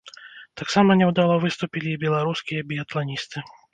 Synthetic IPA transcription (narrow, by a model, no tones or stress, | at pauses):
t̪aksamɐnʲɛwd̪alˠɔvɨst̪ʊpʲilʲibʲɛlˠaɾuskʲijɐbʲiɐt̪lˠanʲist̪ɨ